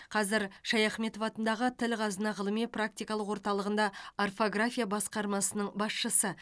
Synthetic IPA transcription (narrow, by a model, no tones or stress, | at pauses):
qʰɑzɪɾʃɑjɑχme̞t̪o̞vɑt̪ənd̪ɑʁət̪ʰɪlqʰɑzənɑʁəlˠəmijprak̚t̪ijkɑlˠəqwo̞ɾt̪ɑlˠəʁənd̪ɑarfo̞ɡrafʲijabɑsqɑɾmɑsənəɴbɑsʃəsə